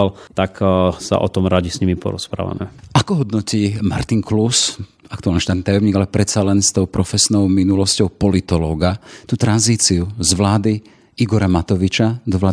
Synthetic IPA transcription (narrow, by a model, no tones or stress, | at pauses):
alt̪aksa̰ʔɔt̪ɔmɾaɟisɲimipɔ̰ɾɔspɾa̰ːʋa̰mɛ̰ʔakɔɦɔd̪nɔciːma̰ɾt̪iŋklus | akt̪ualniʃt̪aːt̪nit̪ajɔmɲiːɡalɛpɾɛt̪t͡salɛnst̪ɔʊpɾɔfɛsnɔʊminulɔscɔʊpɔlit̪ɔlɔːɡat̪uːt̪ɾanziːt͡siuzʋlaːd̪i | iɡɔɾamat̪ɔʋit͡ʃazɔʋlaː